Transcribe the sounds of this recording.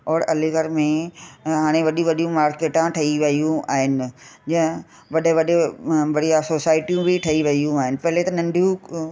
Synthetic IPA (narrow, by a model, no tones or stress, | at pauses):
ɔːɾɐleɡɐɾmẽɦaːɽ̃eʋɐɗiʋɐɗijũmaːɾkeːʈãʈʰɐiʋɐijũa̰ːɦɪnɪ̆d͡ʑɐ̃ɦɪ̃ | ʋɐɗeʋɐɗeʋɐɽijasoːsaːɪʈijũbʱɪʈʰɐiʋɐijũaːɦɪnɪ̆pɐɦɪlet̪ɐnɐ̃nɖʱijũ